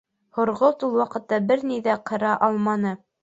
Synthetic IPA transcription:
hŏɾʁot̪ulˠwɑqɤ̆t̪ːɑbɘɾniðæqʰɤ̆ɾɑʔɑlˠmɑnɤ

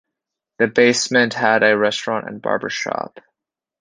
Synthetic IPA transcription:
ðɨbeɪsmɨ̃nʔhəɾɨɹɛstɹ̥ɑ̃ntɨ̰̃nbɑ̰ɹbə̰˞ʃɑ̰p

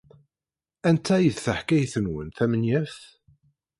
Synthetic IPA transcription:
ænt̪ʰːæjəðθəħkæjθənwənθæmənjæf

